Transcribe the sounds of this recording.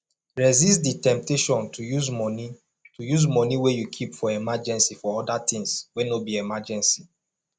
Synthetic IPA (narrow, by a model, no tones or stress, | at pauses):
ɹɛzistditɛ̃mp̚teʃɔ̃ntujuz | tujuzmɔniwejukʰipfɔɛmad͡ʒɛ̃nsifɔɔdatĩŋswenobiemad͡ʒɛ̃nsi